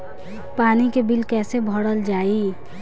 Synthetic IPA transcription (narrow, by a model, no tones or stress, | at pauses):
paːnikebilkɛːsebʱɔɽəld͡ʒaːi